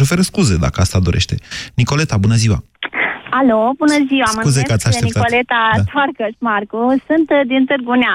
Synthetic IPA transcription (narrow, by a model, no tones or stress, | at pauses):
ofe̞ɾəskuzed̪a̰kəast̪ad̪oɾʔeʃt̪e̞niko̞le̞t̪abunəziwa̰ | alobunəziwaməkuzekat̪sʲaeneikt̪olet̪at̪ʰaɾkəsmaɾkusɨnt̪d̪int̪ɨɾɡunʲa